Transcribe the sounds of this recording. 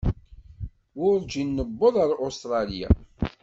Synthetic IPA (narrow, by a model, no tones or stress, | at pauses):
wʊɾd͡ʒinːəbːəðˤɑɾˤost̪ɾˤɑlja̰